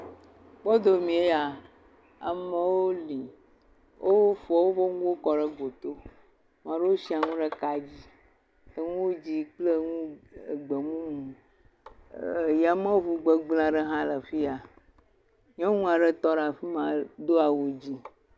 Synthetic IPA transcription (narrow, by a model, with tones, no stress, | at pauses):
ɡ͡bɔ˦d̪o˨mĩ˨e˦ja˨ | a̰˨me˦wo˦li˨ | wʔo˦fɔ˨wo˦vɔ˦ŋũ˦wo˦kɔ˨ɖə˦ɡ͡bo˨t̪o˦ | mã˨ɖe˦wo˦si˦a˨ŋũ˦ɖə˦ka˨d͡ʑi˦ | ə˨ŋũ˦wo˦d͡ʑi˦k͡ple˦ŋũ˦˨ɡ͡be˨mũ˦mũ˨ | ja˨mẽ˦wo˦vu˨ɡ͡be˨ɡ͡bl̃ã˨ɖə˦ɦã˦lə˨fi˦a˨ | ɲɔ̃˦ŋũ˦a˨ɖə˦t̪ɔ˦ɖa˨fi˦mã˨d̪o˦a˨wu˨d͡ʑi˦